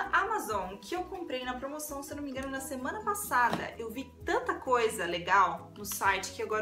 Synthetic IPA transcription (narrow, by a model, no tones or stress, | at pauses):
ʔamazõkɪewkõmpɾejnɐpɾomosɐ̃w̃sewnomĩŋɡɐ̃nʊnɐsemɐ̃nɐpasad̪ɐ̰ʔewvit̪ɐ̃nt̪ɐkojzɐleɡawnʊsajt͡ʃɪ̥kɪewaɡɔɾ